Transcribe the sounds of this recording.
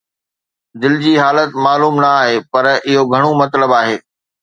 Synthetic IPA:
d̪ɪld͡ʑiːɦaːlət̪maːluːmnɐaːɦeːpɐɾɪɦoɡʱɐɽ̃omɐt̪ləbaːɦeː

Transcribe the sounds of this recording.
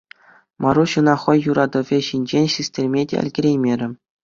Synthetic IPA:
mɑɾuɕɯ̆nɑχɤ̆jːuɾɑd̪ɤ̆ʋʲeɕinʲd͡ʑenʲɕisʲtʲerʲmʲedʲḛɘ̰̆lʲɡʲɘ̆ɾʲejmʲeɾʲɘ̆

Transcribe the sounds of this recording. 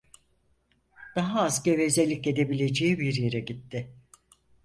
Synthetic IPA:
d̪̥aɦaːzcevezelʲice̞d̪e̞bilʲe̞d͡ʒejibiɾjeɾɛɟit̪ːɪ

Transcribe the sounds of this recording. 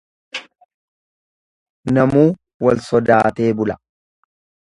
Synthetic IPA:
nɐmuː | wɐlsɔd̪aːt̪e̞ːbʊlɐ

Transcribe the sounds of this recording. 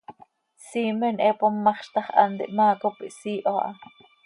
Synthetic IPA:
siːmɛnʔɛpomːɑχʃt̪ɑχʔɑ̰nd̪ḭʔmɑːkopiʔsiːʔoʔɑ̰

